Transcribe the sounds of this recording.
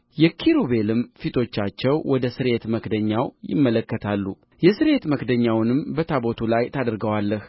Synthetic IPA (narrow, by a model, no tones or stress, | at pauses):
jɛkʰiɾuβe̞lɨmfit̪ʰo̞t͡ʃːat͡ʃːɛwwɔd̪əsɨɾe̞t̪məkd̪əɲːawjɪ̰mːələkːət̪ʰalːu | jɛsɨɾe̞t̪məkd̪əɲːawnɨmbət̪ʰabot̪ʰulajt̪ʰad̪ɨɾɡəwalːəh